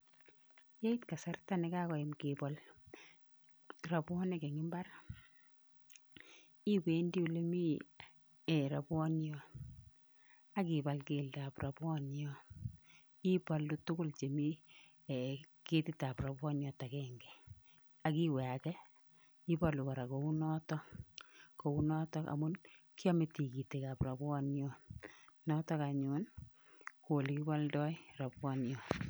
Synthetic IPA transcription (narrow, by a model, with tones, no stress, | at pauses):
je˦i˦tka˨sa˦rta˦nɛ˦kakɔ˨i˨mkipɔl | rabwɔ˦nɛkɛ˨ŋɪ˦mba˦r | i˦wendi˦u˨lemi˦ | ɛɾa˨bwɔnjɔ | a˦kibalkeldapra˨bwɔ˦njɔ | i˦pɔ˨lːutʊ˦kʊ˦lt͡ʃe˨mi˦ | ke˦tɪ˦ta˨pɾa˨bwɔ˦njɔ˨ta˨kɛŋɡɛ˨ | aki˦wɛ˨a˨kɛ˦ | i˦palu˨ka˨ɾa˨ko˨u˦nɔ˦tɔ˦ | ko˨u˦nɔ˦tɔ˦ka̰˨mu˦n | ki˦ɔ˦me˨ti˨ki˨te˨ka˨pɾa˨bwɔ˦njɔ˦nɔ˦tɔ˦ka˨ɲʊn | ko˨li˨ki˦ba˦ldɔ˦ira˨bwɔ˦njɔ˨